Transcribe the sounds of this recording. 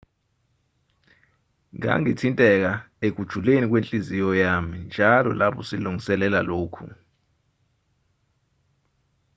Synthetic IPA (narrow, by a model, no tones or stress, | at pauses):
ŋa̰ŋitʰintʼɛk̬a | ek̬ud̥ʒ̥ʱulenik̬ʼwent͡ɬʼizijɔjamind͡ʒʱalɔ̰lapʰɔsiluŋɡʱisɛlɛlaloːkʰṵ